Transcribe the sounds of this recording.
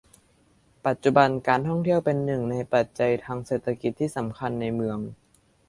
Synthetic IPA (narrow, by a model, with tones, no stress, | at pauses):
pa˨˩t̪̚t͡ɕu˨˧˩ba˧nkaː˧nt̪ʰɔ˥˩ŋt̪ʰi˥˩əwpe˧nːɯ˨˩ŋna˧jpa˨˩t̪̚t͡ɕa˧jt̪ʰaː˧ŋseː˨˩t̪ʰːa˧ki˨˩t̪ʰːiː˥˩sa˩˦mkʰa˧nːa˧jmɯ˧əŋ